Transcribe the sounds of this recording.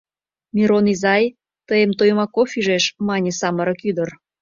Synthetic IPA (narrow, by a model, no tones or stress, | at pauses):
mʲiɾonizɑj | t̪əjəmt̪ojmɑkofiʒeʃmɑnʲesɑməɾə̆kyd̪ər